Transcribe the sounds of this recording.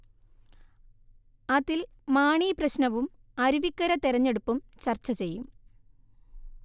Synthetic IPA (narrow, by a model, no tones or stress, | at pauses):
ɐðil | maːɳiːprɐɕnɐʋum | ɐɾuʋikːɐɾɐt̪eɾɐɲːe̞ɽupːumt͡ɕɐrt͡ɕːɐt͡ɕe̞jːum